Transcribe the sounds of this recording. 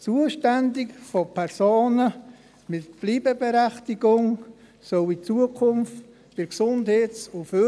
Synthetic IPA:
t͡suəʃtændɪkfopʰɛɾsoːnə | mɪtb̥liːbəbeɾæχtiɡʊŋ | sœwit͡suəkʰʊmft | fɪɾksʊndheːt͡sʊfø

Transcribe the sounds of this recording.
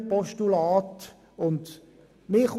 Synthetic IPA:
pɔʃtulaːt̪ | ʊnd̪ | mɪχ

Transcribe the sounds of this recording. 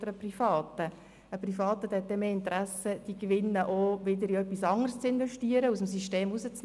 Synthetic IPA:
dəɾəprifɑːt̪ə | əprifɑːt̪ət̪ɛt̪̚dɛmeːɪnt̪ɾæsəd̥ikʋɪnːəʔoʋɪd̪əɾiœpːisɑŋərst͡sɪnvɛʃtiːəɾəusəmsyʃteːmusət͡sn

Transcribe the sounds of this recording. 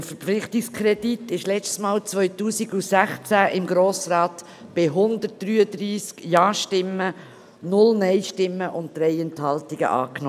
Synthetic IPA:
əfəɾpflɪχtɪkskʰɾɛditɪʃlɛt͡stsmɑːlt͡svœʏtuːsiɡusæχt͡sæʔɪmɡɾoːsrɑːt | b̥ɪɦʊnd̪ət̚d̥ɾyːədɾiːskjɑːʃtɪmːə | nʊlnɛɪʃtɪmːəʔʊnt̚d̥̪ɾɛjɛnthɑltiɡə̰ʔɑ̰ːknɔ

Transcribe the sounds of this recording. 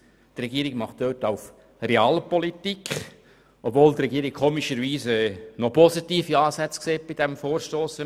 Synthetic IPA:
t̪rɛɡiːəɾiɡmɑχt̚d̥øːtɑʊf | reɑːlpɔlit̪ikʰ | ʔɔbvoːlt̪rɛɡiəɾɪk̚kʰoːmiʃəɾʋiːsɛːnɔpɔsitiːfiɑːsɛt͡skseːt̚b̥id̥ɛmfoːɾʃtoːsə

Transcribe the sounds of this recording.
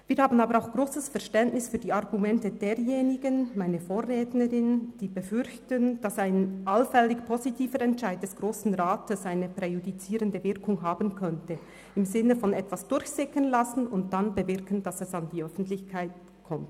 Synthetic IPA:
viːɐɾhaːbən̩aːbəɾaʊxɡ̥ʁoːsəsfɛɐʁʃtɛntnɪsfyːdiːaʁɡumɛntədeːɾjeːnɪɡənmaɪnəfoːɾʁɛːtnəʁɪnd̥iːbəfʏɾçtənd̥asaɪnʔalfɛlɪçpʰozitʰiːfəɾɛntʃaɪdt̚d̥ɛsɡ̥ʁoːsn̩ʁaːtʰəsaɪnəpʁ̥ɛjudit͡siːɾəndəvɪʁkʊŋɦaːbən̩kʰœntə | ɪmzɪnəfɔnɛtv̥asd̥ʊɾçsɪkənlasn̩ʊnt̚d̥anbəvɪʁkən̩d̥asɛsandiːœfn̩tlɪçkʰaɪt̚ | kʰɔmt

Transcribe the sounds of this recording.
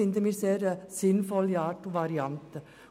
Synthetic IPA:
ɪnd̪əmiːseːɾsɪnfɔliɑːʈoːʋɑɾɪɑnt̪ə

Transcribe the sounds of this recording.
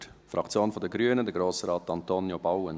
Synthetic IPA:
tfrʔɑkt͡sjoːnfɔdəɡɾyənədəɡɾoːsɾɑːtːɑntonjobawən

